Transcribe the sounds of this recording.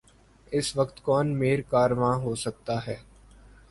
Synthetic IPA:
ɪsʋəkt̪kɔːnmeːɾkaːɾʋãːɦoːsək̚t̪aːɦɛː

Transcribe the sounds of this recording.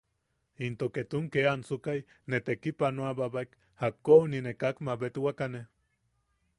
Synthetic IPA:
int̪oket̪uŋkeant͡sukaj | net̪ekipanoababak | hakːoninekakmabet̪wakane

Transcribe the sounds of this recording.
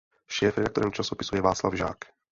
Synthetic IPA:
ʃɛːfɾɛd̪akt̪oɔɾɛmt͡ʃasopisujɛvaːt͡sla̰vʒa̰ːk

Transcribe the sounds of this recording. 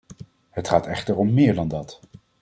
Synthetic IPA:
ɦətχaːtɛχtəɹɔmːɪːɹdɑndɑt

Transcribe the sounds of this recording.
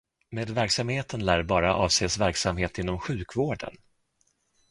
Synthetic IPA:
meːd̪væɾksamheːt̪ʰənlæːɾbɑːɾaʔɑːvseːsvæɾksamheːt̪ɪnːɔmɧʉ̟ːkvoːɖə̰n

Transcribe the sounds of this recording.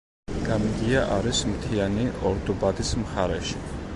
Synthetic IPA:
ɡ̥amiɡ̪iaʔaɾismt̪ʰianiɔɾd̪ɔbad̪ismχaɾɛʃi̥

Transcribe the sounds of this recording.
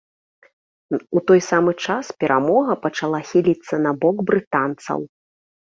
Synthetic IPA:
ut̪ɔjsamɨt͡ʂaspʲɛɾamɔɣɐpɐt͡ʂalˠaxʲilʲit̪sːɐnɐbɔɡbɾɨt̪ant̪sɐ̰w

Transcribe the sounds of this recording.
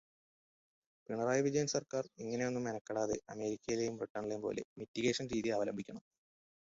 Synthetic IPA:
piɳɐraːjʋid͡ʑɐjɐnsɐrkaːriŋːɐne̞jo̞nːumːenɐkːɐɽaːðḛʔɐme̞ːɾikʲːɐjile̞jumriʈːɐrɳilempo̞̰ːle̞̰mitːiɣeːʂɐnɾiːðiaːʋɐlɐ̰mbʱikʲːɐɳɐm

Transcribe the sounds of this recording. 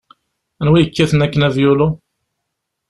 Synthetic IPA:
ænwijəkːæθənækːənævjulu

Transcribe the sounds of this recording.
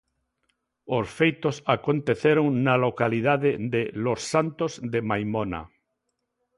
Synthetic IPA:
osfejt̪osakont̪eθeɾoŋnalokalið̞aðɪðelosːant̪ozðemajmona̰

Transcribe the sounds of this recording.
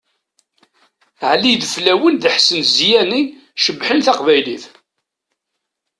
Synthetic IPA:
ʕlid̪əflæwənðəħsənzjæni | ʃəbːħənθɑqvæjliθ

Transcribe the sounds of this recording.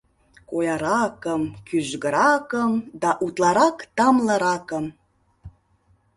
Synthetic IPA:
kojɑɾɑkəmkyʒɣəɾɑkəmd̪ɑʔut̪lˠɑɾɑkt̪ɑmləɾɑkəm

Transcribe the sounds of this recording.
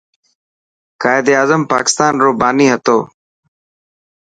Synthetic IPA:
kaːɪd̪iaːzəmpa̰ːkɪ̥st̪aːnɾoːbaːniːɦət̪oː

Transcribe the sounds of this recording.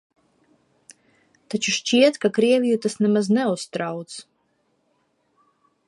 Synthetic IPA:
t̪at͡ʃuʃt͡ʃiɛt̪kakɾiɛvʲijut̪asnɛmaznɛust̪ɾawt̪s

